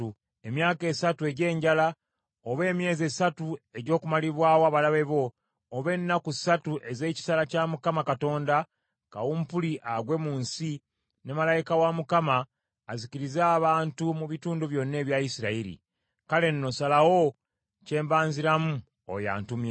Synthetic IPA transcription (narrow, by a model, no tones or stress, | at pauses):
emjaːke̞ːsatue̞ɟe̞ːɲɟala | oβe̞ːmje̞ːzesatue̞ɟo̞ːkumaliβwaːwoaβalaβe̞βo̞ː | βe̞nːaku̥satuʔe̞ze̞ːci̥salacamukamakato̞ːnda | ka̰wuːmpuliʔaɡwe̞muːnsi | nemalajikawamukamaː | ziciɾizaːβaːntumuβituːnduβjo̞nːe̞ːβjaisiɾaiɾḭ | kale̞nːo̞salawo̞ | ce̞ːmbaːnziɾamu | o̰ja̰ːntumje